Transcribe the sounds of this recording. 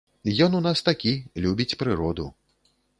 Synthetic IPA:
jɔnunast̪akʲilʲubʲit͡sʲpɾɨɾɔd̪ṵ

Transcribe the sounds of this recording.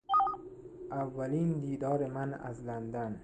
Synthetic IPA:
avːalind̪id̪ɒɾɪmana̰zland̪an

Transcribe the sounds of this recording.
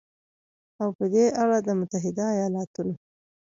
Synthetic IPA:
awpəd̪eʔaɽad̪əmʊt̪aɦɪd̪aːjɑlɑt̪uno

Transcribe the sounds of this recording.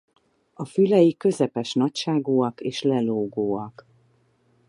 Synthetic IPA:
ɒfylɛjikø̞zɛpɛʃnɒcʃaːɡoːɒkeːʃlɛloːɡoːɒk

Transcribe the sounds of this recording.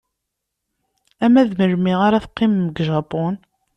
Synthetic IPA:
æmæðməɾmiʁaɾæθqːɪmːəɡʒɑpon

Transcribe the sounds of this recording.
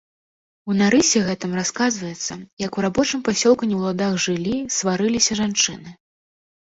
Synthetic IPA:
unaɾɨsʲɛɣɛt̪ɨmraskazvɐjɛt̪sːɐjɐkuɾabɔt͡ʂɨmpasʲɔlˠkunʲiwlˠad̪aɣʐɨlʲisvaɾɨlʲisʲɐʐant͡ʂɨnɨ

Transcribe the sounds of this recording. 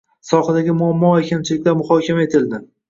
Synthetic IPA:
sɒhad̪aɡʲɪmʊamːɒakʲʰamt͡ʃʰɪlɪkʲlaɾmʊχɒkʲʰamaet̪ʰɪld̪ɪ

